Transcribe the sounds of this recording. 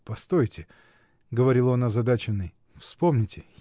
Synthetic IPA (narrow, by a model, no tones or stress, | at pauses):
pɐst̪ojtʲɪ | ɡəvɐɾʲilˠonɐzɐd̪at͡ɕɪnːɨj | fspo̞mnʲɪtʲɪ